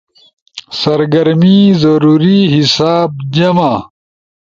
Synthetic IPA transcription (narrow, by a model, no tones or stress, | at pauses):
sɐɾɡɐɾmizɐɾuːɾiɦisaːb̚d͡ʑɐma